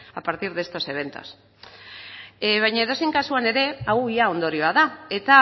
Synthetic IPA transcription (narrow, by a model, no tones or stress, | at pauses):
apaɾt̪iɾðe̞st̪o̞se̞β̞e̞nt̪o̞̰s | βajɲaeðo̞seŋkasuane̞ɾe̞awiao̞nd̪o̞ɾio̞aðae̞t̪a